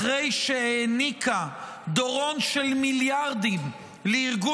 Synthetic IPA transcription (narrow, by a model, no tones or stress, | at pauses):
ʁejʃeenikʰa | d̪oʁo̞nʃelmiljaʁd̪im | leiʁɡu